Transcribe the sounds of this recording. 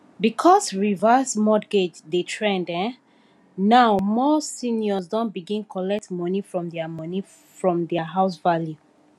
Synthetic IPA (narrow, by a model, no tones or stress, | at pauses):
bikʰɔsɹivasmɔɡed͡ʒðetʰɹɛ̃ndɛ̃ | naʊmɔsĩnjɔsdɔ̃nbiɡĩnkʰɔlɛk̚tmɔnifɹɔ̃mdɛamɔni | fɹɔ̃mdɛaɦaʊsvalju